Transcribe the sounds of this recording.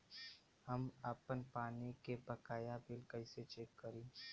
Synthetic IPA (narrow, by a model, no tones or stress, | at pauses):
hɐmaːpənpaːnikebɐkaːjabɪlkɐɪset͡ʃeːkːəɾĩː